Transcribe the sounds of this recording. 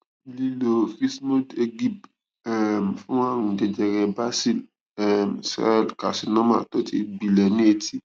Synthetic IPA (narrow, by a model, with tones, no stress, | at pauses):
li˨lo˨fi˦smo˦de˧ɡi˦˨b | ɛ˨m˨fũ˦wã˦ɾũ˨d͡ʒɛ˧d͡ʒɛ˨ɾɛ˨ba˦si˦˨l | ɛ˨msɛ̰˦˨lka˨si˨nã˦mã̰ː˦˨tɔ˦tʰi˦bi˨lɛ˨nĩ˦e˧ti˦